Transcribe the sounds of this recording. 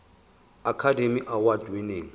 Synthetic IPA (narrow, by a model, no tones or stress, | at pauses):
akʰademiʔawadwineːŋ̩